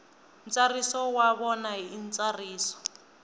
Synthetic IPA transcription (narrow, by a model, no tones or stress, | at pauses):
nt͡sarisɔwaβɔnaint͡sʼariːsɔ̥